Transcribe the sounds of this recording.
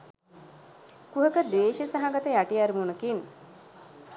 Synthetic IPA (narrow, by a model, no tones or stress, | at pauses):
kuɦəkəd̪eːʃəsaɦaɡat̪əjaʈiaɾimunəkin